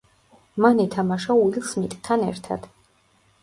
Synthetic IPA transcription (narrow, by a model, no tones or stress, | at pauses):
manɛt̪ʰamaʃaulilˠsmit̪ʼt̪ʰanɛ̰ɾt̪ʰa̰d̪̥